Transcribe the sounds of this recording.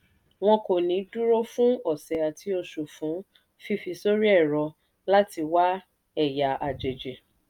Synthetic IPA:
w̃ɔ̃˧ko˨nĩ˨˦du˦ɾo˦fũ˦ɔ˨sɛ˨a˨tʰi˧˦o˧ʃu˨fũ˨˦ | fi˧fi˧so˦ɾi˦ɛ˦˨ɾɔ˧ | la˦ti˧wa˦ | ɛ˦˨ja˨ʔa˨d͡ʒe˨d͡ʒe˨

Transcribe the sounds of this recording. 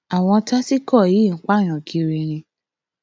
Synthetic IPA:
a˨w̃ɔ̃˧ta˦si˦kɔ˦˨i˨˦˨k͡pa˦˨ɾ̃ã˨kʰi˧ɾe˧ɾ̃ĩ˧

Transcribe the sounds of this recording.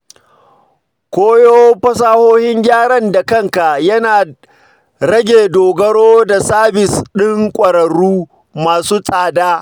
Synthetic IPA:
kʷoː˦joː˦ɸɐ˦s̬aː˦hoː˦hɪ˦ŋɡʲaː˦ɽɐ˦nda˨kɐ˦ŋka˨ʔjɐ˦naː˨ | ɽɐ˦ɡʲeː˨doː˨ɡɐ˦ɽoː˦da˨saː˦bɪ˨sɗɪ˦ŋkʷʼɐ˨ɾɐ˨ɽuː˦ | maː˨suː˦sʼaː˨daː˦

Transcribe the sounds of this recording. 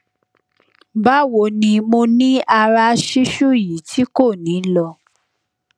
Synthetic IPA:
ba˦wo˧˨nĩ˧mo˧nĩ˦a˧ɾa˧ʃi˦ʃu˦ji˨˦tʰi˨˦ko˦˨nĩ˨˦lɔ˧

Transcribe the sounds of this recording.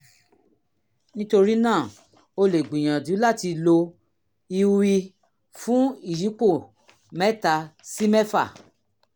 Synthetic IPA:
nĩ˦to˧ɾi˦nãː˦˨ | o˧le˨ɡ͡bĩ˨j̃ã˨du˨˦la˦˨ti˧lo˧ | i˧wi˧ | fũ˦i˦˨ji˨˦k͡po˦˨ | mɛ˦ta˧si˦mɛ˦fa̰˦˨

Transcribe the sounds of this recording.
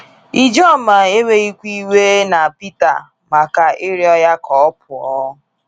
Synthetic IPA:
i˦d͡ʒɔ˦ma˨e˦we˦i˦kʷi˦we˦na˨pi˦ta̰˨ | ma˨ka˨ɪ˦ɾɪ˦ɔ˦ja˦kɔ˨˦p̚ʰʊ˨ɔ˦

